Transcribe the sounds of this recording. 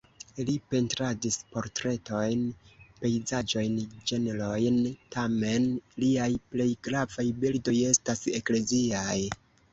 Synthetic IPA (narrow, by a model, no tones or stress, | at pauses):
lipe̞ntɾadispo̞ɾtɾe̞to̞jnpe̞jzad͡ʒo̞jnd͡ʒe̞nelo̞jntame̞nliajple̞jɡɾavajbildo̞je̞stasekle̞ziaj